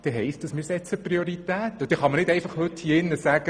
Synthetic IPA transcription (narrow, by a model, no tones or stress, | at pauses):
d̪̥ɛɦɛɪstd̥ɑsmɪːɾsɛt͡səprioɾit̪æːt̪ːɔd̥̪ɛχɑmənɪdɛɪfɑχhɵt̪hiːɪnːəsæɡ̥ə